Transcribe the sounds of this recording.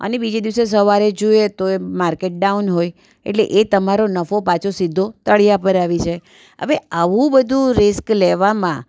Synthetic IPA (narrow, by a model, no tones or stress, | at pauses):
ə̰nebid͡ʒed̪iʋs̬es̬əʋaɾed͡ʒoet̪oemaɾkeʈ̚ɖaunɦoj | ḛʈlḛʔet̪əmaɾonəfopãt͡ʃʰosid̪ʱːot̪əɭijapəɾaʋit͡ʃʰe | ɦə̰ʋeaʋũbəd̪ʱũɾɪskleʋamã̰